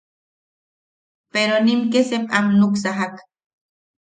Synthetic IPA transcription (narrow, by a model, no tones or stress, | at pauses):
peɾonimkesepamnuksaɦak